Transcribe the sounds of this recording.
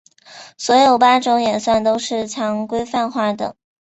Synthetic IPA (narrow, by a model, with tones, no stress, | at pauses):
swɔ˧˥jo˨˩ʊpa˥ʈ͡ʂʊ˧˥ŋjɛ˨˩nswa˥˩nt̪o˥ʊʂɻ̩˥˩t͡ɕʰjɑ˧˥ŋkwe˥ɪfa˥˧nxwa˥˩d̪ɤ̰˩